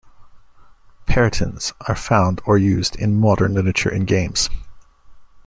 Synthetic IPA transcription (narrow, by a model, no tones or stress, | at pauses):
pʰɛɹɨɾʰɨ̃nz̥ə˞fãʊ̃ndə˞jʉzdɪ̰̃nmɑɾə̰̃˞nlɪɾəɹɨt͡ʃə̰˞ʔɨ̰̃nɡẽɪ̃mz̥